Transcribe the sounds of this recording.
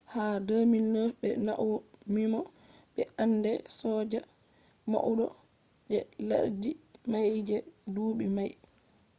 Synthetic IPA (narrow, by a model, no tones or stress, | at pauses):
hadəːminːəfɓɛnaʔumimɔ | ɓɛʔanːdɛsɔːd͡ʒa | ma̰ʔuɗɔ | d͡ʒɛla̰ɾd͡ʒimajd͡ʒɛduːɓimaj